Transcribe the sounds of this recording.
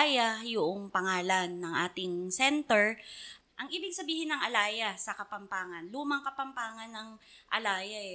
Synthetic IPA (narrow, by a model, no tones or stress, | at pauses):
jɐjʊʔoŋpɐŋaːlɐnːɐŋʔaːt̪ɪŋsɛnt̪ɛɹ | ʔɐŋʔiːbɪɡ̚sɐbiːhɪnːɐŋʔɐlaːjɐsɐkɐpɐmpaːŋɐnluːmɐŋkɐpɐmpaːŋɐnːɐŋʔɐ̰laːjɐʔɛ